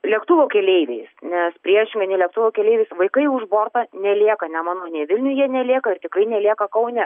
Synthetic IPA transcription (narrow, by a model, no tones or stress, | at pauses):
lʲɛkt̪ʊʋoːkʲɛlʲɛɪʋʲɛɪsnʲɛspʲɾʲiɛʃʲɪŋɡɐnʲɛɪlʲɛk̚t̪ʊʋoːkʲɛlʲeɪʋʲeɪsʋɐɪkɐɪʊʒboːrt̪ɐnʲɛlʲiɛkɐnʲɛmɑːnoːnʲɛɪʋʲɪlʲnʲʊjiɛnʲɛlʲiɛkɐɪrt̪ʲɪkrɐɪnʲɛlʲiɛkɐkɐʊnʲɛ